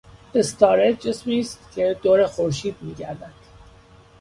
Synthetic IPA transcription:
est̪ʰɑːɾed͡ʒesmiːst̪cʲʰe̞d̪oːɾexoɾʃiːd̪̚miːɟæɾd̪æd̪̥

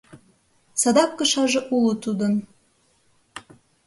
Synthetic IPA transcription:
sɑd̪ɑp̚kɤ̆ʃɑʒɤ̆ʔulˠut̪ud̪ɤ̆n

